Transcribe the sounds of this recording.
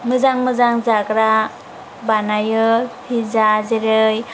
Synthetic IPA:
mɯzaŋmɯzaŋzaɡɾa | banajɯhizazeɾɯj

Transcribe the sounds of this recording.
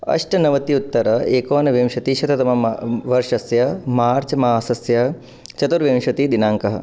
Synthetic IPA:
ɐ̰ʂʈɐnɐʋɐt̪iut̪ːɐɾɐeːkoːnɐʋjɐmʃɐt̪iʃɐt̪ɐt̪ɐmɐʋɐɾʂɐsjɐmaːɾt͡ʃɐmaːsɐsjɐ | t͡ʃɐt̪uɾʋjɐmʃʋɐt̪id̪inaːŋkɐɦɐ

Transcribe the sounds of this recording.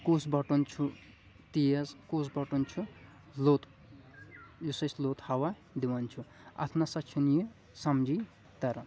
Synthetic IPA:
kusbʌʈunt͡ʃʰu | t̪ijɐzkusbʌʈunt͡ʃʰu | lot̪ | juseslot̪hawa | d̪iwant͡ʃʰu | ɐ̰t̪ʰnasɐt͡ʃʰunji | sɐmd͡ʒi | t̪ɐɾɐ

